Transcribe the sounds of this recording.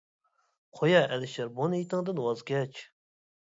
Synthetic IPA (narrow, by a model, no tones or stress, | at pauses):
qʰojɑʔɛlɪʃɛɾbonit̪ɨŋd̪ɨnwɑzɡʲɛt͡ʃ